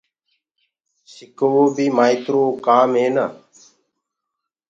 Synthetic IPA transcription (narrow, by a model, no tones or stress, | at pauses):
sɪkoʋoːbʱiːmaːit̪ɾoːkaːmɦeːna̰ː